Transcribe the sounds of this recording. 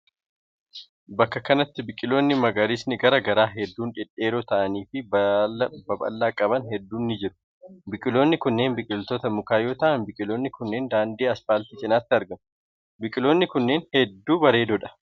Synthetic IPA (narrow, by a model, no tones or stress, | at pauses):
bɐkːɐkɐnɐt̪ːɪbɪkʼɪlo̞ːnːɪmɐɡaɾɪsnɪɡɐɾɐɡɐɾaːɦɛd̪ːuːnᶑɪᶑʼe̞ːɾoːt̪ɐʔɐniːfɪ | bɐbɐ̰lːaːkʼɐbɐnhɛd̪ːuːnːɪd͡ʒɪɾʊ̥ | bɪkʼɪlo̞ːnːɪkʊnːe̞ːnbɪkʼɪlt̪ot̪ɐmʊkaːjo̞ːt̪ɐʔɐnbɪkʼɪlo̞ːnːɪkʊnːe̞ːnd̪aːnd̪eːɐsfaːlt̪iːt͡ʃʼɪnaːt̪ːɪɐɾɡɐn | bɪkʼɪloːnːɪkʊnːeːnhɛd̪ːuːbɐɾe̞ːd̪ɔᶑɐ̥